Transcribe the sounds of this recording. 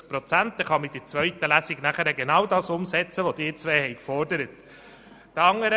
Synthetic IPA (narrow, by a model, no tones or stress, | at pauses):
pɾɔt͡sænt̪̚d̥ɛχɑmɪd̥ɪt͡sʋœʏtːəlæsiɡnæχəɾɛɡenɑwdɑːsʊmsɛt͡səʋɔd̥ɪːɾt͡sʋɛːhɛɪkfɔɾdəɾət | d̥̪əɑŋəɾə